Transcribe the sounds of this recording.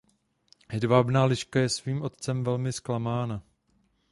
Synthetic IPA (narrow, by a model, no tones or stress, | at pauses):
hɛdvabnaːlɪʃkajɛsviːmʔo̞t̪t͡sɛmvɛlmɪsklamaːna